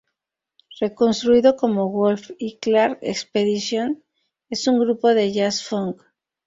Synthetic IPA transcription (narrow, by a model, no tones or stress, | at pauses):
re̞ko̞nst̪ɾuiðo̞ko̞mo̞ɣolfiklaɾḛkspeðisjo̞n | e̞suŋɡɾupo̞ðe̞ʝasfoŋk